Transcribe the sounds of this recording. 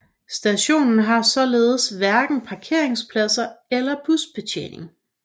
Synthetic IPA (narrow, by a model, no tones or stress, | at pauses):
sd̥æɕo̝̰ːnn̩ɦɑ̈sɒ̽leːð̞̩ˠsʋæɐɡ̥n̩pʰɑ̈kʰe̝ɐ̰e̝ŋspʰlæsɐelɐb̥usb̥e̝t͡ɕʰḛːne̝ŋ